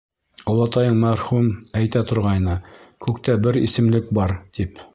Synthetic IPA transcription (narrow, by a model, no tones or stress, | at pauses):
ŏlˠɑt̪ɑjɤɴmæɾχumæjt̪æt̪ŏɾʁɑjnɤkʉkt̪æbɘɾḭsɘ̆mlɘk̚bɑɾt̪ip